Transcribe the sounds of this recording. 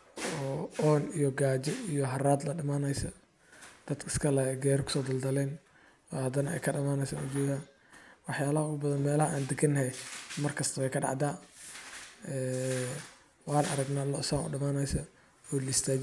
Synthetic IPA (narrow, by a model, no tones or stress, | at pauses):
ɔːɔːnijɔɡaːt͡ʃɛijɔɦɐraːd̪lɐɖɐmaːnɛjsɐ | d̪̥ɐd̪kɪskʰɐlɐɛjɡɛːɾɔkʰʊ̥sɔːd̪ɐld̪ɐlɛːn | ɔːhɐd̪ɐnɐɛ̰jkʰɐɖɐmaːnɛjsa̰ːnʊd͡ʒɛːðɐ | wɑħjaːlɐhɐʊɣʊbɐðɐnmɛːlɐɦɐʔaːnd̪ɛɡʰɐnːɐɦɛmɐrkʰɐst̪ʰɐβɛjkʰɐɖɑ̰ʕd̪aː | ɛː | wɑːnɐ̰ɾɐɡnaːlɔsaːŋʊ̰ɖɐmaːnɛjsɐ | ɔːlɪst̪ʰaːt͡ʃ